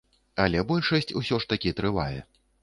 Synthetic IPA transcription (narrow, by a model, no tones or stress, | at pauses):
ɐlʲɛbɔlʲʂɐsʲt͡sʲusʲɔʂt̪akʲit̪ɾɨva̰jɛ̰